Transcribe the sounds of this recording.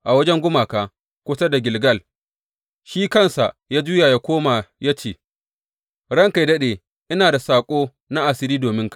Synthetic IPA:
ʔa˨wɐ˦d͡ʒɛ˦ŋɡʷʊ˦maː˨kaː˨ | kʷʊ˦sa˦da˨ɡʲɪ˨lɡɐ˦l | ʃiː˦kɐ˦nsa˨ʔjaː˦d͡ʒʊː˦jaː˨jaː˦kʷoː˦ma˨ja˦t͡ʃeː˨ | ɽɐ˦ŋka˨jdɐ˦ɗeː˨ | ʔɪ˦naː˨da˨saː˨kʷʼoː˦ | na˦ʔa˨sɪ˦ɾiː˦doː˨mɪ˦ŋkḁ˨

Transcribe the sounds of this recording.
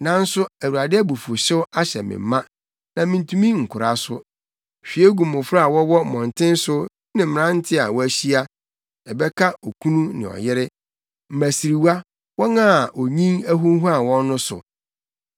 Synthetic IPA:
nã˨n˦sʊ˦æ˨wu˨ɾa˨dɪ˦æ˦bu˨fu˨ɕɪ˦wa˦ɕɛ̰˨mɪ̰̃˨m˦mã˦ | nã˨mĩ˨n˨tʰũ˦mĩ˦ŋ̩˨kʷʰʊ˨ɾa˨sʊ˦ | ɕᶣi˨e˦ɡũ˨mʊ̃˨fɾa˦˨wɔ˦wɔ˦˨mɔ̃˨n˨tʰɪ̃˦n˦sʊ˦ | nɪ̃˨mɪ̃˨ɾã˦n̩˦tʰɪ˦a̰˨wɔ˦æ˦ɕi˦a˦ | ɛ˨bɛ˦kʰa˦o˨kʰũ˦nũ˦nɪ̰̃˨ɔ̰˨jɪ˦ɾɪ˦ | m̩˨mæ˨si˨ɾi˨wa˦ | wɔ˦nã˦˨ʔo˨ɲĩ˦ŋæ˦ɦu˦ɦu˦a˨wɔ̃˦nː˦ʊ̃˦sʊ̰˨

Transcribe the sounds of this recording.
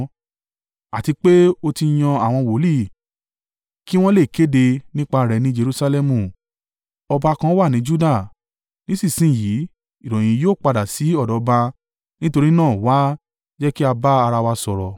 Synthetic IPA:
a˨ti˧k͡pe˦o˧ti˧j̃ɔ̃˧a˦˨w̃ɔ̃˧wo˨˦li˦˨ | ki˦w̃ɔ̃˦le˦˨ke˨˦de˧nĩ˦k͡pa˧˨ɾɛ˨˧˨nĩ˨˦d͡ʒe˧ɾu˧sa˧lɛ˧mũ˨ | ɔ˧ba˧kã˧˦wa˦˨nĩ˨˦d͡ʒu˦da˦˨ | nĩ˦si˦˨sĩ˦˨ji˨˦ | i˦˨ɾɔ̃˨j̃ĩ˨˦joː˦˨k͡pa˧da˨si˨˦ɔ˦˨dɔ˨˦ba˧ | nĩ˦to˧ɾi˦nãː˦˨wa˨˦ | d͡ʒɛ˦ki˦a˧ba˦a˧ɾa˧wa˧sɔ˨ɾɔ˨

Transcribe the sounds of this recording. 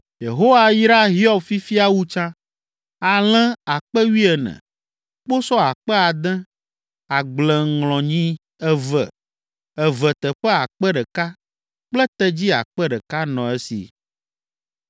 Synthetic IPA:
je˨ɦo˦wa˦ji˦ɾa˦ɦi˦ɔ˦bfi˦fi˦a˦wu˦t͡ʃã˦ | a˨l̃ɛ̃˦a˨k͡pɛ˦wi˦ɛ˨nɛ̰̃˨ | k͡po˦sɔ˦a˨k͡pɛ˦a˨d̪ɛ̃˦ | a˨ɡ͡blɛ̃˨ŋlɔ̃˨ɲĩ˦ | ɛ˦və̰˨ | ɛ˨vɛ˨t̪ɛ˨ɸɛ˦a˨k͡pɛ˦ɖɛ˨ka˦ | k͡plɛ˦t̪ɛ˦d͡ʑi˦a̰˨k͡pɛ˦ɖɛ˨ka˦nɔ̃˨ɛ˦sḭ˨

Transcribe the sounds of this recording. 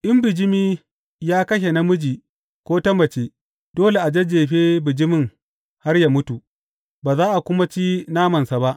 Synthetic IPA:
ʔɪ˦mbɪ˨d͡ʒɪ˦miː˦ | jaː˦kɐ˦ʃe˨na˦mʊ˦d͡ʒiː˨ | kʷoː˦tɐ˦mɐ˨t͡ʃeː˦ | d̥oː˦le˨ʔa˨d͡ʒe˦d͡ʒeː˨ɸeː˦bɪ˨d͡ʒɪ˦mɪ˦˨ŋ | ha˦rja˦mʊ˦tu˨ | baː˨zaː˦ʔa˨kʷʊ˦ma˦t͡ʃiː˦naː˦mɐ˨nsa˨ba˦ʔ

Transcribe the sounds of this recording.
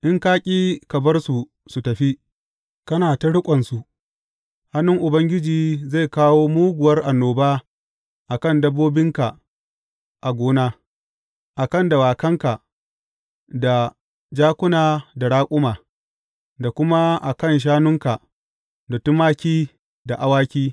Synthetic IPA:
ʔɪ˦ŋkaː˦kʲʼiː˦kɐ˨bɐ˦rsu˨ | su˨tɐ˨ɸi˦ | kɐ˦naː˨ta˦ɽʊ˦kʷʼɐ˨nsu˨ʔ | ha˦nʊ˦ŋʔʊ˨bɐ˦ŋɡʲɪ˦d͡ʒiː˨ze˦˨jkaː˦woː˦muː˦ɡʷʊ˨wɐ˦rʔa˨nːoː˨baː˦ | ʔa˨kɐ˦˨ndɐ˦bːoː˦bɪ˦ŋka˨ | ʔa˨ɡʷoː˦naː˦ | ʔa˨kɐ˦nda˨waː˨kɐ˦ŋka˨ | da˨ | d͡ʒaː˦kʷʊ˦naː˨da˨ɽaː˦kʷʼʊ˦maː˨ | da˨kʷʊ˦ma˦ʔa˨kɐ˦˨nʃ̬aː˦nʊ˦ŋka˨ | da˨tʊ˦maː˦kʲiː˦ | da˨ʔa˨waː˦kʲiː˦

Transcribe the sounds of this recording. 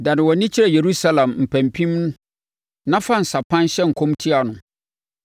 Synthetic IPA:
da˨nɪ̃˨wɔ˨nĩ˦t͡ɕʰi˦ɾɛ˨je˨ɾu˦sa˦lã˨mm̩˨pʰæ̃˨mpʰĩ˦mnʊ̃˦ | nã˦fa˦˨n̩˨sa˨pʰã˦nɕɛ˦ŋ̩˨kʰõ˦mtʰi˦a˨nʊ̃˨

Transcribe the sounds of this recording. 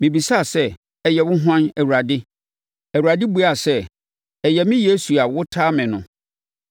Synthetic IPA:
mɪ̃˨bi˨sa˦˨sɛ˦ | ɛ˨jɛ˨wʊ̃˦ɦã˦nɛ˨wu˨ɾa˨dɪ˦ | ɛ˨wu˨a˨dɪ˦bu˦a˨sɛ˦ | ɛ˨jɛ˨mɪ̃˦je˦su˨a˨wʊ˦tʰaː˦mɪ̃˨nʊ̃˨

